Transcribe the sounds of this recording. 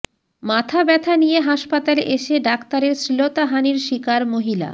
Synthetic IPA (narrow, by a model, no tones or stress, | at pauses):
mat̪ʰabɛt̪ʰanijeɦaʃpat̪aleʔeʃeɖakt̪aɾeɾsɾilot̪aɦaniɾʃikaɾmoɦila̰